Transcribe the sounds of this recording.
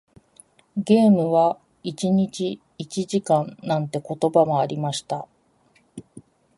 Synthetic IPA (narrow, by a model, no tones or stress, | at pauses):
ɡʲe̞ːmɯ̟βa | it͡ɕiɲ̟it͡ɕiː | t͡ɕiʑikãnnãnt̪e̞ko̞t̪o̞bamo̞aɾʲimaɕi̥t̪a